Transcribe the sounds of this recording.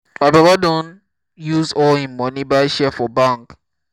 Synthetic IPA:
maɪbɹɔbadõn | juzɔĩnmɔ̃nibaɪʃɛfɔbãŋk

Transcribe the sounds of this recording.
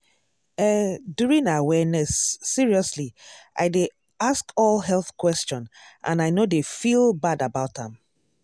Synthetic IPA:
ɛdjuɹĩnawɛnɛsːiɹiɔsliʔa̰ɪde | askɔlˠɦɛlˠθkwɛst͡ʃɔ̃nʔã̰naɪnodefilˠbadabaʊtã̰m

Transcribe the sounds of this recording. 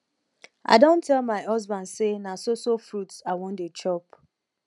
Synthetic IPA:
a̰ɪdõntʰɛlmaɪɦɔzbãndsenasosofɾutsawɔ̃ndet͡ʃɔp

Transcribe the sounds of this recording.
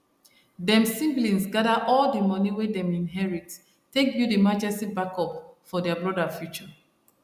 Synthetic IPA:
dɛ̃msĩmblĩnsɡadaʔɔldəmʌniwɛdɛ̃mĩnɦɛɹit | tːekjudəmad͡ʒɛstibakɔpfɔdɛabɹɔdafjut͡ʃə

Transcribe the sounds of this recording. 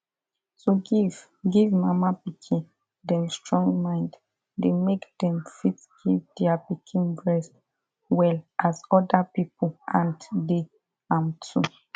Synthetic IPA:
soɡiv | ɡivmamapikʰĩn | dɛ̃mstɹɔ̃ŋɡmãɪ̃nd | demekd̥ɛ̃mfitɡ̥ivdɛapikʰĩnbɹɛst | wɛlʔasɔdapipoãndde | ãmtʰu

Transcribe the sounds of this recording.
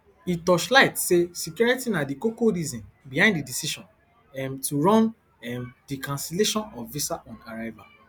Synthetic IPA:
itɔʃlaɪtsesikjuɹitinadikokoɾizĩ | bihãɪ̃ndidisiʃɔ̃n | ɛmtuɹɔ̃n | ɛmdikãnsileʃɔ̃nɔvisaʔɔ̃nkaɹava

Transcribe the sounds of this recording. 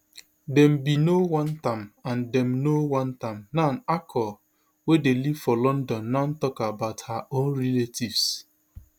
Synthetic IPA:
dɛ̃mbinowãntãmãndɛ̃mnowãntãmnanakʰɔ | wedeliv̥fɔlɔ̃ndɔ̃nːaʊn̩tɔkabaʊthaʔõnɹeletʰivs

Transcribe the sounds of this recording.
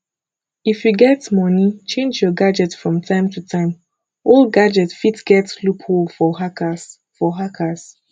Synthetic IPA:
ifjuɡɛtmɔnit͡ʃẽnd͡ʒjɔɡad͡ʒɛtfɹɔ̃mtʰãɪ̃mtʰutʰãɪ̃m | olɡad͡ʒɛtfitɡ̥ɛtlupʰholfɔhakas | fɔɦakʰas

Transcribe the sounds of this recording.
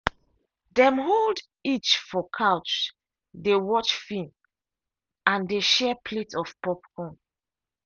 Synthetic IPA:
dɛ̃mɦold | it͡ʃfɔkʰaʊt͡ʃ | dewɔt͡ʃfĩm | ãndeʃɛpʰletɔfpɔpkʰɔ̃n

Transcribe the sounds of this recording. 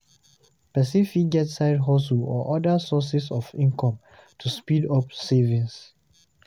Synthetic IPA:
pɛsifik̚ɡɛtsaɪdɦɔs̬ulɔʔɔdasɔsisɔfĩnkʰɔ̃m | tʰuspidɔpsevĩns

